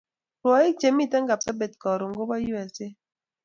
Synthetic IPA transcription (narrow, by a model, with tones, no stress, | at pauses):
ɾwɔ˨˦i˦t͡ʃe˨mi˦˨tɛ˦ŋɡa˨psa˦bɛ˨t̚kɔ˨ɾo˨ŋ˨ɡo˦ba˦ju˦ɛ˨se˦